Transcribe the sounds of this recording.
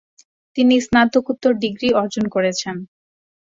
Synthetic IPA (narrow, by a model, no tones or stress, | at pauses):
t̪inisnat̪okut̪ːoɾɖiɡɾiɔɾd͡ʑonkoɾet͡ɕʰen